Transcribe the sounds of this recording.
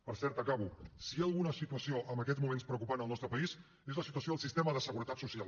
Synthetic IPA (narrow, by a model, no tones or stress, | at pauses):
pəɾsɛɾt̪əkaβusiaəlˠɣunəsit̪uəsioʔəmbəkɛzmumenspɾəukupanəlˠnɔst̪ɾəpəis | ezləsit̪uəsioðəlˠsist̪ɛməðəsəɣuɾət̪at̪susial